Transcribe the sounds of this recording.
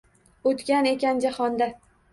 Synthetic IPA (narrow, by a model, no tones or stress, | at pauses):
ot̪kʲane̞kʲand͡ʒahɒnd̪a